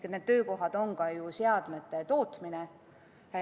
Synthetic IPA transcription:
ned̪̥̚t̪øːko̞ɦɑd̪̥o̞ŋkɑjuseɑd̪̥met̪ːˑet̪o̞ːt̪mine

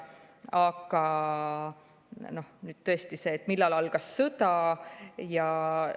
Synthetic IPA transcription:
ɑɡ̥ɑ | no̞hnyːd̪̥̚t̪ɤ̞est̪ise̞ːt̪ːˑmilːɑlɑlɡ̥ɑsːɤd̪ɑ | jɑ

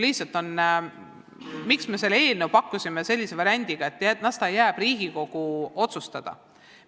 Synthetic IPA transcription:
liht̪sɑlt̪ːˑo̞n | miksme̞se̞lːeeːlnewpɑkːˑusʲime̞se̞lʲːise̞vɑɾʲæanʲd̪̥iɡ̥ɑe̞t̪ːˑæt̪nɑsd̪ɑjæːb̥riːɡ̥iko̞ɡ̥uo̞t̪sust̪ɑd̪̥ɑ̰

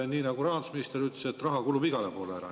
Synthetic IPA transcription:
niːnɑɡuɾɑːnd̪usminist̪eɾyt̪le̥set̪ːrɑɦɑkulubiɡɑlepo̞ːleæɾɑ̰

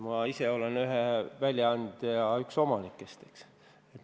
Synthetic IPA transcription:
mɑise̞o̞lenyɦevælʲjɑɑnd̪ɑykso̞mɑnikːˑest̪eks | et̪

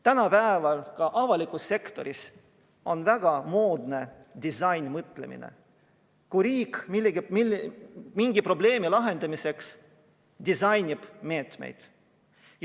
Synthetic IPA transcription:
t̪ænɑpæevɑlkɑʔɑvɑlikˑusːe̞kt̪o̞̰ɾis | o̞nvæɡ̥ɑmo̞ːd̪ne̞ | d̪̥isɑjnmɤt̪ːˑle̞̰mḭnḛ | kujɾiːkmilːeɡimi | miŋɡ̥ipro̞ble̞ːmilɑɦe̞nd̪̥ɑmise̞ks | d̪̥isɑjnʲib̥me̞ːt̪me̞̰jd̪̥ | j

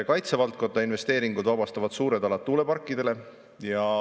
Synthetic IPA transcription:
kɑjt̪se̞vɑlt̪̚ko̞nd̪̥ɑinve̞st̪e̞ːɾiŋɡud̪vɑbɑst̪ɑvɑd̪̥suːɾe̞d̪̥ɑlɑt̪ːuːle̞pɑrkːˑid̪̥e̞le̞ | jɑ

